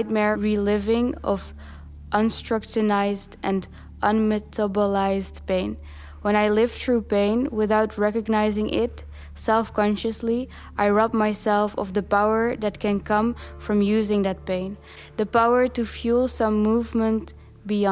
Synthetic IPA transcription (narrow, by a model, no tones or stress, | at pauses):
t̚mɛɹɹilɪvɪ̃ŋʌv | ʔʌ̃nstɹ̥ʌkt͡ʃɨnaɪzdʔɨ̃n | ʔʌ̃nmɛtʰəbəlaɪzdpẽɪ̃n | wə̃ñaɪlɪv̥θɹupẽɪ̃nwɪθaʊt̚ʰɹɛkɨɡnaɪzɪ̃ŋʔɪt | sɛlˠfkɑ̃nʃɨsli | ʔaɪɹʌp̚maɪsɛlˠfʌ̰vðəpaʊə˞ðɨt̚kʰɨ̃nkʰʌ̃mfɹʌ̃mjʉzɪ̃ŋðɨt̚pẽɪ̃n | ðɨpaʊə˞tɨfjulˠsʌ̃mːuvmə̃nt | biɑ̃